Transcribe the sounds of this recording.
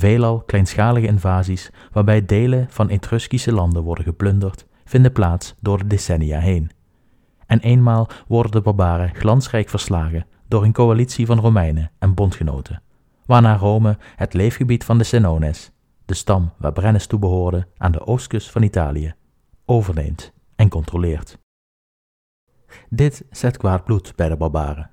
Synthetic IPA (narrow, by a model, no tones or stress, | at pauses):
vejlɑlˠklɛjnsχaːləɣəɪnvaːzis | ʋaːɹbɛjdejləv̥ɑnetrɵskisəlɑndənʋɔɹdəɣəplɵndəɹt | fɪndəplaːtsdʊːɹdədesɛnija̰ːɦejn | ɛnʔejnmaːlˠʋɔɹdəndəbɑɹbaːrəχlɑnsrɛjkfəɹslaːɣə | dʊːɹənkowalitsivɑnrowmɛjnəɛnbɔntχəno̰wtʰə | ʋaːɹnaːrowməhətlejfχəbitfɑndəsɛnownɪs | d̥əstɑmʋa̰ːɹbrɛnəstubəɦoːɹdəʔa̰ːndə̰ʔowstkɵstfɑnita̰ːlijə | owvəɹnḛjmt | ɛnkɔntrolɪːɹt | dɪtsɛtkʋaːd̚blutb̥ɛjdəbɑɹba̰ːrə